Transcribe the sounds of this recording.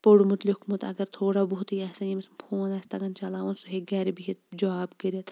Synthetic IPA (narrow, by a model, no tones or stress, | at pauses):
poɽmut̪likmut̪ɐ̰ɡɐɾt̪ʰoːɽabuɦt̪jasɐnimismpʰoːnɐsʲt̪ɐɡɐnt͡ʃɐlaːʋɐnsuɦeɡɐɾbiɦit̪̚d͡ʒaːbkɐɾɐt̪ʰ